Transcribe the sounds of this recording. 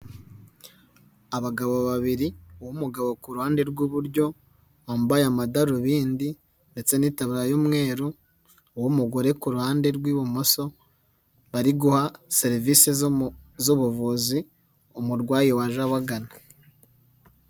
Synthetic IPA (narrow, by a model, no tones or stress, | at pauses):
aβaɡaβo̞βaβiɾiuwumuɡaβo̞kuɾuhaːnde̞ɾɡwuβuɾɟo̞ | βaːmbajamadaɾuβiːndi | nde̞t͡se̞niːtaβɾajomŋe̞ːɾu | wumuɡo̞ɾe̞kuɾuhaːnde̞ɾɡwiːβumoso̞ | βaɾiɡuhase̞ɾivisezuβuvuzi | umuɾɡwaːjewaʒaβaɡana